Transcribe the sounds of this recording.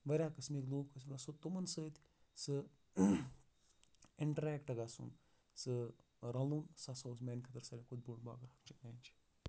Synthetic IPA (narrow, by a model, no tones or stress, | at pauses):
ʋɐɾʲaːkɐsmikloːb̚kɐsmlɐsɨt̪umɐnsəːt̪ʰʲ | sɨ | ɪɳʈɐɾɛːkʈɐɡasṵn | sɨ | ɾɐ̃luːnsasoːsmenkʰɐt̪ɐɾsɐːlʲikud̪̚boːɳba̰ːɡahɐkt͡ʃʰimeːnʲt͡ʃʰi̥